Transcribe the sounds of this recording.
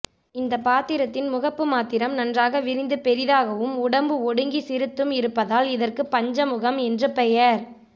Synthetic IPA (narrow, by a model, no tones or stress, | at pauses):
ɪnd̪ɐpaːt̪ɪɾɐt̪ːɪnmʊɣɐpːɯmaːt̪ɪɾɐmnɐndraːɣɐʋɪɾɪnd̪ɯpɛɾɪðaːɣɐʋɯmʊɽɐmbɯɔɽɯŋɡisɪɾɯt̪ːɯmɪɾɯpːɐðaːlɪðɐrkɯpːɐɲd͡ʒɐmʊɣɐmɛndrɯpɛjɐɾ